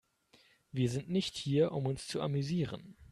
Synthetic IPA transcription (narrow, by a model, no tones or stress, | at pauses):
viːɐzɪntnɪçthiːɐʔʊmʊnst͡suʔa̰myziːʁə̰n